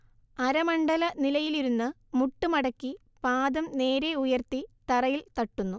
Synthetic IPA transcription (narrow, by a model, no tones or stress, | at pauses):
ɐɾɐmɐɳɖɐlɐnilɐjiliɾunːɨ | muʈːumɐɽɐkːi | paːd̪ɐmne̞ːɾe̞ujɐrt̪it̪ɐrɐjilt̪ɐʈːunːu